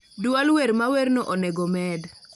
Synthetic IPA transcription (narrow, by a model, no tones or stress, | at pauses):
dwalweɾmaweɾnoʔɔnɛɡɔmɛd